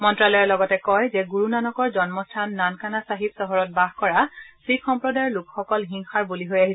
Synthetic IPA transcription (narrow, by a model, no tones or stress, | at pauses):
mɔntɹalɔjɛlɔɡɔtɛkɔjzɛɡuɹunanɔkɔɹzɔnmɔstʰanːankanasaɦitsɔɦɔɹɔt̚baɦkɔɹasɹikʰxɔmpɹɔdajlukxɔkɔlɦiŋxaɹbuliɦojaɦis